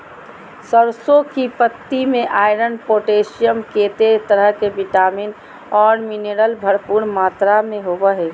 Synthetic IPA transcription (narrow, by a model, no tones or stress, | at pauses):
səɾsokipət̪ːimẽʔaːɪɾənpoːʈeːsijəmkeːt̪et̪əɾəɦkebiʈaːmin | ɔːɾmineːɾəlbʱəɾpuːɾmaːt̪ɾamẽɦoːbəɦɛː